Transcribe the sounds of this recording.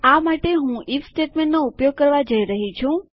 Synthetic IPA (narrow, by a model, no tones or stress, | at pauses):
amaʈeɦũʔifsʈeʈmẽɳʈnoupjoɡ̚kəɾʋad͡ʒəiɾəɦit͡ʃʰũ